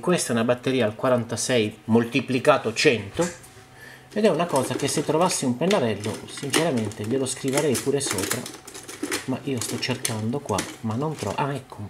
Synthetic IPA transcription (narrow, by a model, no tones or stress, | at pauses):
kwest̪aɛunabat̪ːeɾiːaːlkwaɾant̪asɛjmolt̪iplikaːt̪ot͡ʃɛnt̪o | ed̪ɛunakɔːzak̟esːet̪ːɾovasːiumpenːaɾɛlːo̰sint͡ʃeɾament̪eʎeloskɾiveɾɛjpuːɾesoːpɾa̰ | maʔiːost̪ɔt͡ʃːerkand̪okwa̰manːont̪ɾɔ̰ʔamɛkʰːo